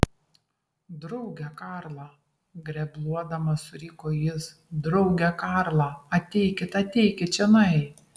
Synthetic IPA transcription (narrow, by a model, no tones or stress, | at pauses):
d̪ɾɔʊɡʲɛkɑːɾlˠɑ | ɡɾʲɛblˠuɔd̪ɐmɐsʊɾʲiːkoːjɪs | d̪ɾɐʊɡʲɛkɑɾlˠɑɐt̪ʲɛɪkʲɪt̪ɐt̪ʲɛɪkʲɪt͡ʃʲɛnɐɪ